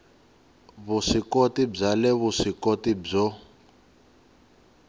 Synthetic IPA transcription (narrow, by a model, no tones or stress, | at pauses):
βuʂikotib͡ʐalɛβuʂikotib͡ʐɔ